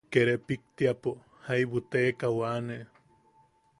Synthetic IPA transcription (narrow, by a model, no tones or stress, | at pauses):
keɾepik̚t̪iapo | hajβut̪ekawane